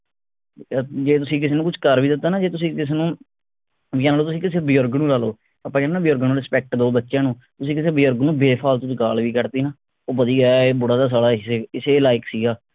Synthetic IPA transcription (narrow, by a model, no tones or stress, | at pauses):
d͡ʒeːt̪ʊsĩːk̬ɪseːnũːkʊt͡ʃʰkəɾʋiːd̪ɪt̪ːaːnaːd͡ʒeːt̪ʊsĩːkɪseːnũː | ʋiaːnaːloːt̪ʊsĩːkɪseːbijɔɾɡnũːlaːloː | apːãːkɛːnãːbɪjoɾɡnũːɾɪspɛːk̚ʈd̪oːbətːʃjãːnũː | t̪ʊsĩːkɪs̬eːbɪjəɾɡnũːbeːpʰaːlt̪ʊt͡ʃɡaːlʋiːkəɾt̪iːnaː | oːbəd̪iːaːbʊɽaːd̪aːs̬aːɽaːɪseːɪseːlaːɪksiːɡaː